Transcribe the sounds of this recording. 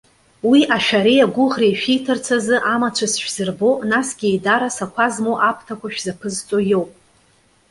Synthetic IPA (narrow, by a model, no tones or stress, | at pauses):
wiʔaʃᶣaɾejaɡʷʊʁrejʃᶣijtʰɨrt͡sʰazɨʔamat͡ʃʷʰasʃᶣz̥ɨrbo̞nasɡʲiedaɾasakʷʰazmoʔapʰtʰakʷʰaʃᶣzapʰɨzt͡sʼojo̞wpʼ